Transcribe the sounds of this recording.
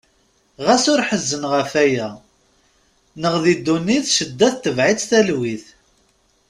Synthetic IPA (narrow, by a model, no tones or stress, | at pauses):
ʁæsʊɾħəzːənʁəfæjæ | nəʁðid̪ːunːiθʃəd̪ːæθt̪ːəvʕit͡sːθælwiθ